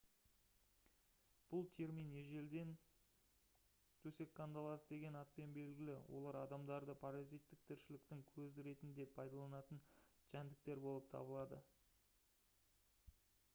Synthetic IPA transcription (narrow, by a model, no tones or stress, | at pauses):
b̥ʊlˠt̪ʲʰeɾmijneʒe̞ld̪e̞n | t̪ʰɵse̞kːand̪ɑlˠɑsəd̪e̞ɡʲe̞nɑt̪̚pe̞nbe̞lɡʲɪlɪ̰wʔo̞̰lˠɑɾɑd̪ɑmd̪ɑɾd̪əpʰaɾɑzijt̪ːɪk̚t̪ʰɪɾʃɪlɪk̚t̪ɪŋkʲʰɵzɪɾe̞t̪ɪnd̪e̞pʰːɑjd̪ɑlˠɑnɑt̪ənʒænd̪ɪk̚t̪e̞ɾbo̞lˠəp̚t̪ʰɑ̰bəlˠɑd̪ə